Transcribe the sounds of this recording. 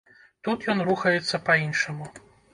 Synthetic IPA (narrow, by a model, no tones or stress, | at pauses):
t̪ut̪jɔnɾuxɐjɛt̪sːɐpɐinʂɐmu